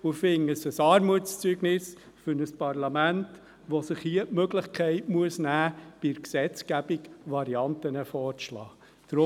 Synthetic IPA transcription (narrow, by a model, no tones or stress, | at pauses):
ʊfɪŋəsəsɑːɾmut͡st͡syːɡnɪs | fʏɾnəspɑrlɑmænt | ʋɔsɪχhiəʔmøɡləχkʰɛɪtmuəsnæːb̥ɪɾksɛt͡skæb̥ikʋɑɾiɑntənəfɔːɾt͡slɑ̰ː | d̥ɾʊ